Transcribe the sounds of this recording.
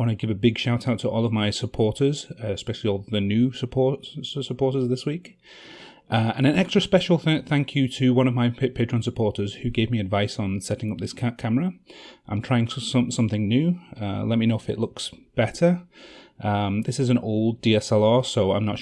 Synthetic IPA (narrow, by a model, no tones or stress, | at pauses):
wə̃ñɡɪvɨbɪɡʃaʊtʰaʊtʰəʔɔːlˠʌvmaɪsəpʰɔɹtə˞z̥ɪspɛʃl̩ˠiɔlˠʌvðɨnjʉsəpʰɔɹsəpʰɔɹɾə˞zðɪswiˑk | ʔʌə̃ñɨ̃nɛkstɹ̥əspɛʃl̩ˠθæθæ̃ŋkʰjɨtʰɨwʌ̃ñʌvmaɪpʰetpʰeɪt͡ʃɹ̥ə̃nsəpʰɔɹtəz̥hʉɡeɪvmiɨdvaɪsn̩sɛɾɪ̃ŋʌp̚ðɪskʰkʰaməɹəʔãɪ̃mtʰɹ̥aɪɪ̃ŋssʌ̃msʌ̃mθɪ̃ŋnjʉʌ̰lɛt̚minoʊɪfɪ̰ʔlʊksb̥ɛtə˞ʔʌ̃mðɪsɨzɨ̃noʊlˠdiɛsɛlˠɑːsoʊãɪ̃mnət